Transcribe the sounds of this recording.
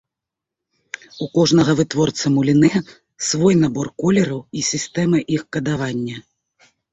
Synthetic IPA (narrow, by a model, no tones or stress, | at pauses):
ukɔʐnɐɣɐvɨt̪vɔrt̪sɐmulʲinɛ | svɔjnabɔrkɔlʲɛɾɐwisʲist̪ɛmɨʔixkɐd̪avanʲːɐ